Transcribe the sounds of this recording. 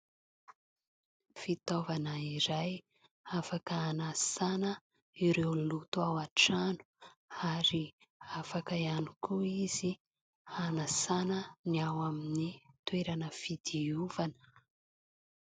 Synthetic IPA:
fit̪ovanəiɾaj | afakəanasanə | iɾewlut̪uawaʈ͡ʂanu̥aɾi | afakaianukʰuizi | anasanəniawaminit̪weɾanəfid̪iuvanə̥

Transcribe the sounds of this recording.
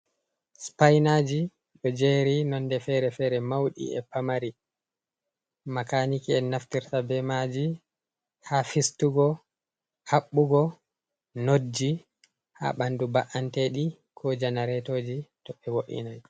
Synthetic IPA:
spajnad͡ʒi | ɗɔd͡ʒeɾinɔndɛfɛɾɛfɛɾɛmawɗḭɛ̰pamaɾi | makanikiɛnaftiɾtabɛmad͡ʒi | hafistuɡɔ | haɓːuɡɔ | nod͡ʒːi | ha̰ɓandubaʔanteɗi | kʰɔd͡ʒanaɾɛtoːd͡ʒitɔɓɛwoʔḭnaj

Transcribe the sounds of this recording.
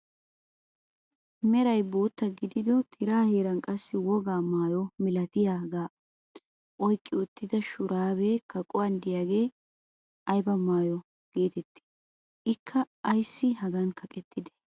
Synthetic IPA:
mɛɾɐjbo̞ːt̪ːɐɡɪd̪ɪd̪ɔt̪ʰɪɾaːheːɾɐnkʼɐsːɪwɔɡaːmaːjɔmɪlɐt̪ɪjaːɡaː | ʔɔjkʼːɪʊt̪ːɪd̪ɐʃʊɾʔaːβekɐkʼɔwɐnd̪ɪjaːɡe̞ː | ʔɐjbɐmaːjɔ | ɡ̥e̞ːt̪ɛt̪ːɪ̥ | ɪkʰːɐː | jsːɪɦɐɡɐnkʰɐkʼɛt̪ːɪd̪ɛ̥

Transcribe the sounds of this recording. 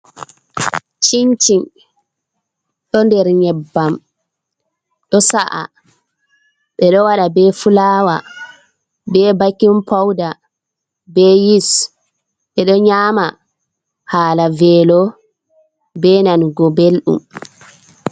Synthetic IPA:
t͡ʃiɲt͡ʃin | ɗɔndɛɾɲɛbːam | ɗɔsaʔa̰ | ɓɛɗɔwaɗabɛfulaːwa | bɛbakːimpʰawda | bɛjis | ɓɛɗɔɲaːma | haːlavɛlɔ | bɛnanɡɔbelɗṵm

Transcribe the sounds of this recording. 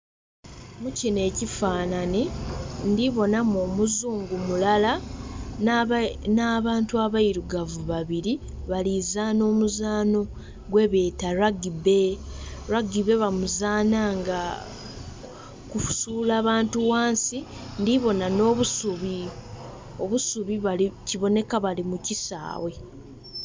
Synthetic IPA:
mucine̞ːcifaːnanendiβo̞namoːmuzuːŋɡumulala | naːβaːntuaβaiɾuɡavuβaβiɾi | βalizano̞ːmuzaːno̞ | ɡwe̞βeːtaɾaɡiβe̞ɾaɡiβe̞βamuzaːnaŋɡa | kufu̥suːlaːβaːntuwaːnsi | ndiβo̞nano̞ːβusuβi | o̞βusuβiβaliciβo̞ne̞kaβalimucisa̰ːwe̞

